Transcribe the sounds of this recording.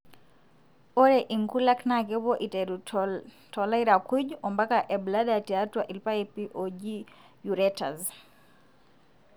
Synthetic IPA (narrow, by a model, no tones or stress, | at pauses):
ɔɾɛʔiŋkulaknakɛbɔʔitɛɾ | tɔlaiɾakuʄuɔmbakaʔɛbladatiatwaʔilpaɛpiʔɔd͡ʒi | juɾɛta̰z